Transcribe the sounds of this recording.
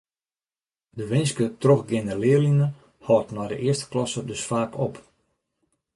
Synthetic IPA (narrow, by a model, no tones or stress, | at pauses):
dəʋɪnskətroxɡɪnəlɪəlinə | hɔːtnɔjdə̰ʔɪərstə̥klɔsədøsfaːkʰop